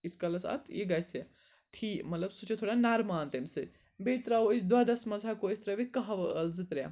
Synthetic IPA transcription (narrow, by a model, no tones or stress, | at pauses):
iskɐlɐsɐ̰t̪ʰjḭɡɐse | ʈʰiːkmɐt̪lɐbsut͡ʃet̪ʰoːɽanaɾmaːnt̪emsɨ | bet̪ɾaosd̪ad̪ɐsmɐzʱakosʲt̪ɾɐʋikɐɦɐʋɐəlzɨt̪ɾja̰